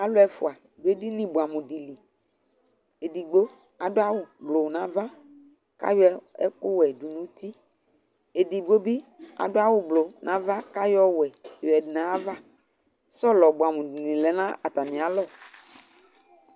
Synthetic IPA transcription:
a˨lo˦ɛ˨fu˨a˨ | do˦e˦di˦nĩ˦bu˨a˨mũ˨di˨li˨ | e˨di˨ɡ͡bo˦ | a˨do˦a˦wʊ˨blo˨wnã˦va˦ | ka̰˦jɔ˦ɛ̰˦ku˦wɛ˨du˨nũ˦t̪i˦ | e˨di˨ɡ͡bo˦bi˦a̰˨ɖo˦a˦wʊ˦blo˨nʔã˨va˦ka˦jɔ˦wɛ˨ɛ˨di˨nã˨˦va˦ | sɔ˦lɔ˨bu˨a˨mũ˨di˨lĩ˨lɛ˨˦nã˦ʔa˨t̪a˨mĩ˨a˨lɔ˦

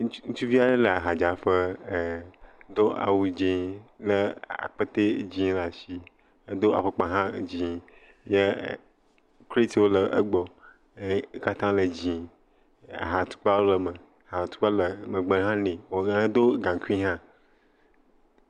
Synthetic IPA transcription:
ŋũ˦t͡ʃu˦vi˦a˦ɖə˦lə˨a˨ɦa˨d͡ʒa˨ɸə˦˨˦ | d̪o˦a̰˨wu˨d͡ʒĩ˦lə˦a̰˨k͡pə˦t̪e˦d͡ʑĩ˦la˨si˨ | e˦d̪o˦a̰˨ɸə˨k͡pã˨ɦã˦˨d͡ʑĩ˨ | ɲe˦˨ | kle˦t̪i˨wo˦lə˨ʔə̰˦ɡ͡bɔ˨˦ | ka˦t̪ã˦lə˨d͡ʑĩ˨ | a̰˨ɦa˨t̪u̥˦k͡pa˦wo˦lə˨mə˨ha˨t̪u̥˦k͡pa˦lə˨mə˨ɡ͡bə˨˦ɦã˦nẽ˨wo˨a˦d̪o˦ɡã˨ku˦ĩ˦ɦã˦

